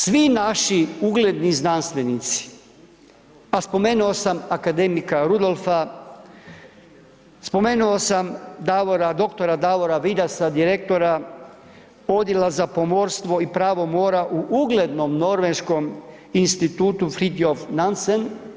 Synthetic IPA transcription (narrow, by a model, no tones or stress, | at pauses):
sʋinaʃiuɡle̞d̪niznanst̪ʋe̞nit̪si̥ | aspo̞me̞ːnuo̞samakad̪e̞mikaɾud̪o̞lˠfa | spo̞me̞ːnuosamd̪aʋoɾad̪o̞kt̪o̞ɾad̪aʋo̞ɾaʋid̪asad̪iɾek̚t̪o̞ɾa | o̞d̪jelazapo̞mo̞ɾst̪ʋo̞ipɾaːʋo̞mo̞ːɾaʔuʔuɡle̞d̪no̞mno̞ɾʋenʃko̞m | inst̪it̪uːt̪ufɾid̪iofnansen